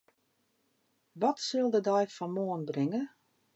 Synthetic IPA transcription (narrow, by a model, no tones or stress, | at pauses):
ʋɔtsɪlˠdədɛjfɔnmoənbrɪŋə